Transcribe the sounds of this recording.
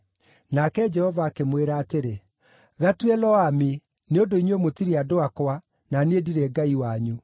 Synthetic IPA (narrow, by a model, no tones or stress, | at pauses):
nakɛd͡ʒɛhɔvaːkemweɾaːteɾe | ɣatwɛlɔame | neondoineomotiɾeadoakwa | naneediɾɛɡaiwaɲu